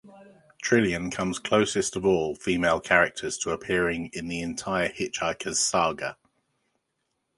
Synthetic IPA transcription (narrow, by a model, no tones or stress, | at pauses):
tʰɹ̥ɪliə̃nkʰʌ̃mz̥kʰl̥əʊsɪstəvɔːlˠfiːmeɪlˠkʰaɹɪk̚tʰəz̥tʰəːpʰɪəɹɪ̃ŋɪ̃nðiɛ̃ntʰaɪəhɪt͡ʃaɪkʰəz̥sɑːɡə